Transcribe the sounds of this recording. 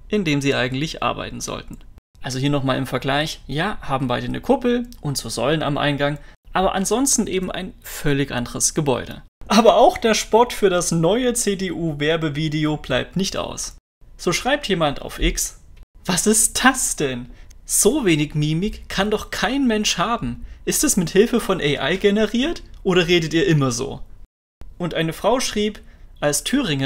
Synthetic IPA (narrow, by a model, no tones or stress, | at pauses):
ʔɪndeːmziːʔaɪɡŋ̩tlɪçʔa̰ɐba̰ɪtn̩zɔ̰ltn̩ʔalzohiːɐnɔχmaːlɪmfɛɐɡlaɪçjaːhaːbm̩baɪdənə̰kʰʊpl̩ʔʊntz̥oːzɔ̰ləna̰mʔa̰ɪnɡaŋʔaːbɐ̰ʔa̰ntz̥ɔnstn̩ʔeːbm̩ʔa̰ɪnfœlɪçʔa̰ndəʁəsɡ̥əbɔ̰ʏɾə̰ʔaːbɐaʊxd̥eːɐʃpɔɐtfyːɐɾasnɔʏət͡seːdeːʔuːvɛɐbəviːdeob̥laɪp̚tnɪçtʔa̰ʊs | z̥oːʃʁ̥aɪp̚tjeːmanta̰ʊfʔɪksv̥asɪst̚d̥asd̥ɛnz̥oːveːnɪçmiːmɪkkʰːandɔχkʰaɪnmɛnʃhaːbm̩ʔɪstɛsmɪthɪlfəfɔnʔɛɪʔa̰ɪɡɛnəʁiːɐtʔoːɾɐʁeːdətiːɐʔɪmɐzo̰ː | ʔʊntʔaɪnəfʁ̥aʊʃʁ̥iːpʔalstʰyːʁɪŋɐ